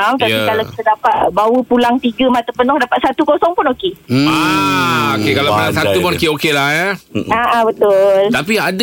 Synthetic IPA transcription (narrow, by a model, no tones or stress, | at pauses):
mt̪apikalawi̥t̪adapat̪̚bawəpulaŋt̪iɡəmat̪əpənɔŋdapat̪̚sat̪ukosɔŋpʊnokea | okekalapəlaŋsat̪upɔnkeokelaəaʔabət̪ʊlt̪apiad